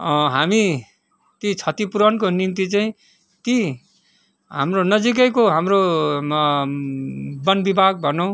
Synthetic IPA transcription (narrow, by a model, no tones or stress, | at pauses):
ɦami | t̪it͡sʰʌt̪ipuɾʌnkonimt̪it͡saĩ | t̪i | ɦamronʌd͡zik̬ʌjkoɦamro | bʌnbibʱaɡ̚bʱʌnʌw̃